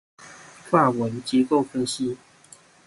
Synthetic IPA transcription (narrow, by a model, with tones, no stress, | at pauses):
fa˥˩wə˨˦nt͡ɕjɛ˧˥ko˥˨ʊfə˥nɕi˥˦